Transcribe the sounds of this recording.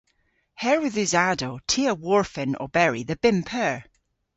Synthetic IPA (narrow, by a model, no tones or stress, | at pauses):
hɛɹwɪðʉzadotʰiəwɔɹfɪ̃nɔ̰bɛɹiðəb̥ɪmpʰəɹ